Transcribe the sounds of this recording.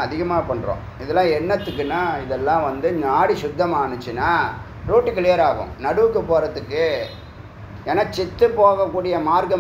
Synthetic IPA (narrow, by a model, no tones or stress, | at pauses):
ɐðɪɣɐmaːpɐɳːɾõ̰ː | ɪðɛlːãːɛɳːɐt̪ːɯkːɯnːaːɪðɛlːãːʋɐnd̪ɯɲaːɽisʊd̪ːɐmaːɳɯt͡ʃːɯnːaː | ɾuːʈːɯkɪlɪjɐɾaːɣʊ̰̃mnɐɽɯʋɯkːɯpoːɾɐðɯkːɯ | eːnaːt͡ʃɛt̪ːɯpoːɣɐkːuːɽɪjɐmaːɾkɐ